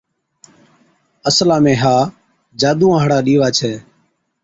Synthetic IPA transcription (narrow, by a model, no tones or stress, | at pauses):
əslaːmẽːɦaː | d͡ʒaːd̪ũːãːɦɽaːɗiːʋaːt͡ʃʰɛː